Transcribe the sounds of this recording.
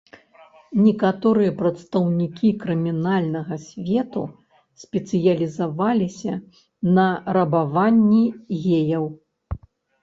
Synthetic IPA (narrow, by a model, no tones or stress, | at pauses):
nʲɛkat̪ɔɾɨjɐpɾɐt̪st̪ɐwnʲikʲikɾɨmʲinalʲnɐɣɐsʲvʲɛt̪ṵ | sʲpʲɛt̪sɨjɐlʲizavalʲisʲɐ | nɐɾɐbavanʲːiɣʲejɐw